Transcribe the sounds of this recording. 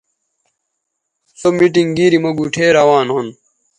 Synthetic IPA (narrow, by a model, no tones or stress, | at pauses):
somiʈiŋɡiːɾimɐɡuʈʰeːɾɐwaːnɦon